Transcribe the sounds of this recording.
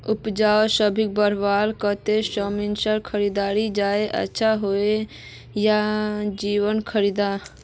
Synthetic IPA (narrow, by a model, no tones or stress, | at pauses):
ʊpd͡ʒaːosəbʱik̚bəɾbaːlkət̪esəminsəɾkʰəɾid̪aːɾid͡ʒaeʔə̰tːʃʰaɦoe | jad͡ʒiwənkʰəɾid̪a